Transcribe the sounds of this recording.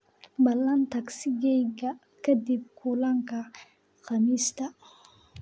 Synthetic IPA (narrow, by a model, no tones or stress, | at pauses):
bɐlːɐnt̪ɐksɪɡɛjɡɐ | kʰɐd̪ib̚kʰulɐŋkɐ | xɐmiːst̪ɐ